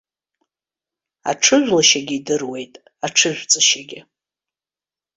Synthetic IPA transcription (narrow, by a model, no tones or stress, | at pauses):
a̰ʈ͡ʂʰɨʒᶣʷlaʃaɡʲiːdɨrwe̞jtʼ | aʈ͡ʂʰɨʒʷᶣt͡sʼaʃaɡʲɪ